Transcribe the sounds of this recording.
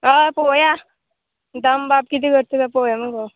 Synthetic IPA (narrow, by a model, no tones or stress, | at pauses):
apoja | d̪ambapkit̪iːɡəɾt̪et̪apojaməɡo